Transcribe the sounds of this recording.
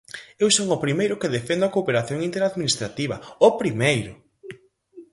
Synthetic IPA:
ewsoŋʊpɾimejɾʊkeðefend̪ʊakoːpeɾaθjoŋĩnt̪eɾaðminist̪ɾat̪iβɐ̰opɾimejɾʊ

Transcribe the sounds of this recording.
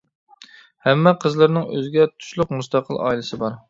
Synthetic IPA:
hɛmːɛqʰəzlˠəɾnɪŋø̰zɡʲɛt̪ʰu̥ʃlˠʊqmust̪ɑqʰəlˠɑ̰ːilˠɨsɨbɑɾ

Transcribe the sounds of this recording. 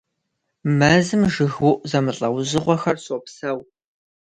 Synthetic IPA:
mɐzɨmʒɨɣwʊʔʷʼzɐmɨɬʼɐwʑɨʁʷɔxɐrɕʼopsɐw

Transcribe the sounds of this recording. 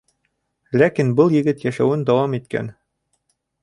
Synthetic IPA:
lækinbɤlˠjɘ̆ɡɘt̪jæʃæwɘnd̪ɑwɑmit̪kæ̰n

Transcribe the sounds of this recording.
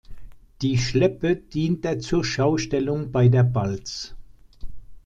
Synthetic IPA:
d̥iːʃlɛpəd̥iːntd̥eɐt͡suːɐʃaʊʃtɛlʊŋbaɪdeːɐbalt͡s

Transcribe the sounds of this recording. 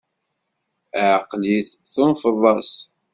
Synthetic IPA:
ʕəqːliθθʊnfðˤɑs

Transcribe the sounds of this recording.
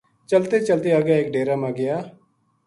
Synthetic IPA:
t͡ʃəlt̪eːt͡ʃəlt̪eːaːɡɪjaːɪkɖeːɾaːmãːɡɪjaː

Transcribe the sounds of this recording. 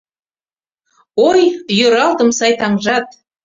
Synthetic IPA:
ojjøɾɑlt̪ə̆msɑjt̪ɑŋʒɑt̪̚

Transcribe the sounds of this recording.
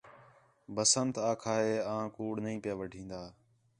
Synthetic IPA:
bəsənt̪aːkʰaːɦeːãːkuːɽnəɦĩːpjaːʋəɖʱĩːnd̪aː

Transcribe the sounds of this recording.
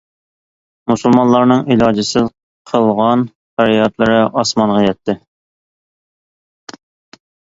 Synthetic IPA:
musulˠmɑnlˠɑɾnɨŋilˠɑd͡ʒɪsɪz | qʰəlˠʁɑn | qæɾijɑt̪lˠɨɾɪʔɑsmɑnʁɑjɛt̪ʰːɪ

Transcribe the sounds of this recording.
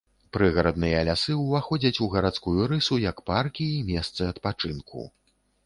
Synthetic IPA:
pɾɨɣɐɾɐd̪̚nɨjɐːlʲasɨwvaxɔd͡zʲɐt͡sʲuɣɐɾat̪skujuɾɨsujɐkparkʲiːmʲɛst̪sɨɐt̪pat͡ʂɨnkʰṵ

